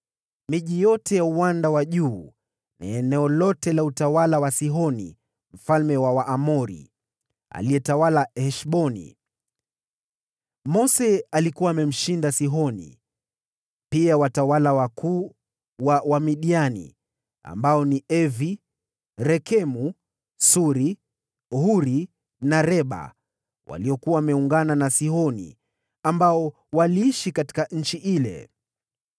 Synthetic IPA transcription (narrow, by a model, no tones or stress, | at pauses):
miʄijɔtɛjauwandawaʄuː | na̰ɛnɛɔlɔtɛlautawalawasiɦɔnḭ | m̩falmɛwawaʔːmɔɾḭ | a̰lijɛtawalahɛʃɓɔnḭ | mɔsɛalikuwaːmɛm̩ʃindasiɦɔnḭ | piawatawalawakuː | wawamiɗianḭ | a̰mbaɔniɛvi | ɾɛkʰɛmu | suɾi | huɾi | naɾɛɓa̰ | wʔa̰liɔkuwaːmɛuŋɡananasihɔnḭ | ambaɔ | waliiʃikati̥kaɲ̩t͡ʃiʔilɛ̰